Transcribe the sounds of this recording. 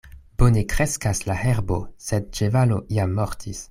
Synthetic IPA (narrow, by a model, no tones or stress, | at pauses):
b̥onekɾe̞skaslaheɾbosed̚t͡ʃevaloʔiamːoɾtʰis